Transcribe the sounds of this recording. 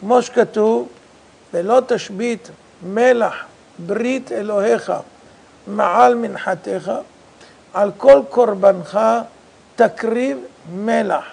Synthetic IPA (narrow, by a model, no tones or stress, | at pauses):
kmoʃe̥kat̪uv | velo̞t̪aʃbit̪ | melaħ | bɾit̪ʰeloheχa̰ | meʕalminħat̪eχa | ʕalkolkoɾbanχa | t̪akʁivmelaħ